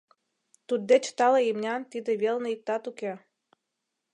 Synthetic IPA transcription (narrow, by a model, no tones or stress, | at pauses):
t̪ud̪ːet͡ɕt̪ɑleimnʲɑnt̪id̪ə̆βelnɤik̚t̪ɑt̪ukʲe